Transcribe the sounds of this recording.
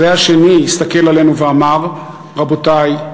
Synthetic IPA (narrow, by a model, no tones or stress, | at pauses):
eaʃe̞niist̪ake̞lale̞nuveamaʁ | ʁabo̞taj